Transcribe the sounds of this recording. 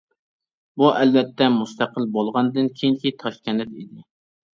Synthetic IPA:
buʔɛlvɛt̪ʰːɛmust̪ʰæqəlbolˠʁɑnd̪ɨnkʲʰejiŋkʲit̪ʰɑʃkʲɛnɪt̪id̪ɪ

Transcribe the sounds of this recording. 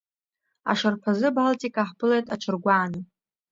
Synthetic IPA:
a̰ʂarpʰazɨbaltʼikʼaħpɨlejtʼat͡ʃʷʰɨrɡʷaːnɨ

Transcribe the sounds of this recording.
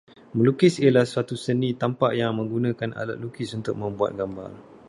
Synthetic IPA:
mə̃lukɪsiəlahswat̪usənĩt̪ampaʔjaŋmə̃ŋɡunãkana̰la̰t̪̚lukɪsunt̪ʊk̚mə̃mbua̰t̪̚ɡamba̰r

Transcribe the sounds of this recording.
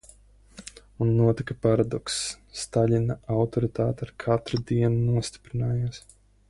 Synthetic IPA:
unːuɔt̪ikɐpaɾad̪ɔksː | t̪aʎʲinaawt̪ɔɾit̪aːt̪aɾkʰat̪ɾud̪iɛnunuɔst̪i̥pɾinaːjas

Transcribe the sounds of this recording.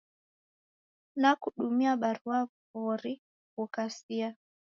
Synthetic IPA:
nakuɗumiaɓaɾua | uɾi | kukasia

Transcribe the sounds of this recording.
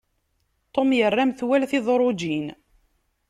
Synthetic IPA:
t̪ˤːomjərːamθwælθɪðˤɾˤod͡ʒin

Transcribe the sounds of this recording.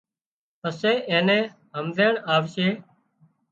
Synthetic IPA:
əsẽːʔẽːnẽː | ɦəmd̪eːɳaːʋʃeː

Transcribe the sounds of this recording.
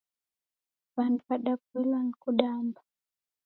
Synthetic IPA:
vanpaɗapilankuɗamba

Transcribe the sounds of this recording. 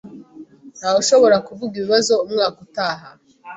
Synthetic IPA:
n̥haːwuʃo̞βo̞ɾakuvuɡiβiβazo̞umŋaːkutaːɦa

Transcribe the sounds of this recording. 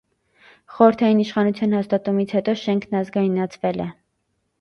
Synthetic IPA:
χɔɾəɾt̪ʰɑjiniʃχɑnut͡sʰjɑnhɑst̪ɑt̪umit͡sʰhɛt̪ɔʃɛŋkʰnɑzɡɑjinːɑt͡sʰvɛlɛ̰

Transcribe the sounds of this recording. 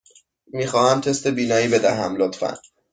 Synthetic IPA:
miːxɒːhæmt̪ʰe̞st̪e̞biːnɒːjiːbe̞d̪æɦæmlot̪fæ̰n

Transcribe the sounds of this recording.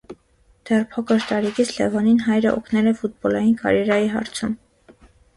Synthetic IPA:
d̪̥ɛrpʰɔkɔɾt̪ɑɾikʰit͡sʰlɛ̰vɔninɦɑjɾəʔɔ̰kʰnɛlɛfut̪̚bɔlɑjinkʰɑ̰ɾjɛɾɑjiɦɑ̰ɾt͡sʰum

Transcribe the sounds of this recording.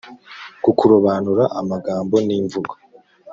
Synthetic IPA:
kukuɾuβaːnuɾaʔamaɡaːmbo̞niːɱvuɡḁ

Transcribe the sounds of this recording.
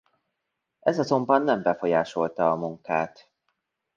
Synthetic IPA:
ʔɛzɒzo̞mbɒnːɛmbɛfo̞jaːʃo̞lt̪ɒːmuŋka̰ːt̪

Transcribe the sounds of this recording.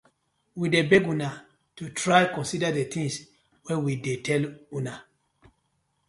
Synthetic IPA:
widebɛɡũna | tutɹajkɔ̃nsidadet̪ʰĩŋs | wɛwidetʰɛlũna

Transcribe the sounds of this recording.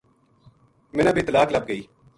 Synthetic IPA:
mɪnɐbɪt̪laːklɐb̚ɡəiː

